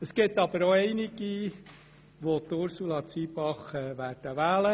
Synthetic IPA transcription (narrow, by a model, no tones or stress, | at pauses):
əskɪt̪ːɑb̥əɾoɛɪnɪɡi | ʋot̪ʊɾsulɑt͡siːbɑχɛʋæːɾd̥əʋæːlə